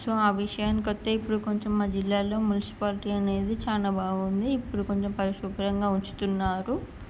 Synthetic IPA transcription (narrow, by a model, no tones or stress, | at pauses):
soaːʋiʂɐjɐnkot̪ːeipːuɽuko̞ɲt͡ʃomːaːd͡ʒilːaːlo̞ːmunisi̥paːliʈiɐne̞ːd̪it͡ʃaːnaːbaːɡund̪iːpːuɽuko̞ɲt͡ʃompɐɾiʂupɐɾɐŋɡaːuɲt͡ʃu̥t̪unːaːɾu